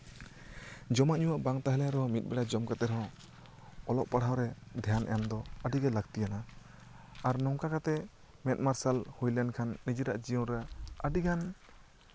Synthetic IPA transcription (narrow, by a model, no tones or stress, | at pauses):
d͡ʒɔmaʔɲuwaʔbaŋt̪aɦɛlɛɾɛɔ̃mit̪̚ˀbɛɽad͡ʒɔmkat̪ɛɾɦɔ̃ | ɔlɔʔpaɽ̤awɾɛd̪ʱjanʔɛamd̪ɔəɖiɡɛlaɡt̪ijana | aɾnɔŋkakat̪ɛ | mɛt̪̚ˀmaɾsalhujlankʰanːid͡ʒiɾaʔd͡ʒijɔɾaəɖiɡʰan